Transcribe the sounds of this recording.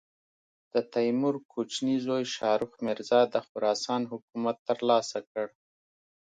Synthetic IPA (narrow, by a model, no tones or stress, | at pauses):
d̪̥ət̪ajmʊɾkʰot͡ʃnizojʃɑɾʊxmɪɾzɑd̪əxʊɾɑsɑnɦʊkumat̪ːəɾlɑsakəɽ